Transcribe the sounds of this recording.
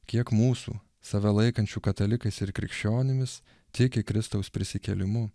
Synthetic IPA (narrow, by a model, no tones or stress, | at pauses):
kʲiɛkmuːsṵː | sɐʋʲɛlˠɐɪkɐnʲt͡ʃʲuːkɐt̪ɐlʲɪkɐɪsɪɾkʲɾʲɪ̰kʃʲt͡ʃʲoːnʲɪmʲɪs | t̪ʲɪkʲɪkɾʲɪst̪ɒʊspʲɾʲɪsʲɪkʲɛlʲɪmʊ